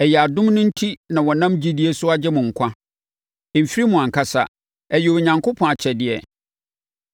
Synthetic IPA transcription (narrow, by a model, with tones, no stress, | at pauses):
ɛ˨jɛ˨a˨dʊ̃˦mnʊ̃˦n̩˦tʰi˦nã˨wɔ˨nã˦md͡ʑi˦dɪ˦e˦sʊ˦a˦d͡ʑɛ˦mʊ̃˨ŋ̩˨kʷʰa˦˨ | fi˦ɾi˦mʊ̃˨ã˨ŋ̩˨kʰa˦sa̰˨ | ɛ˨jɛ˨wo˨ɲã˨ŋkʰʊ˦pʰɔ̃˨a˨t͡ɕʰɛ˨dɪ˦ɛ˨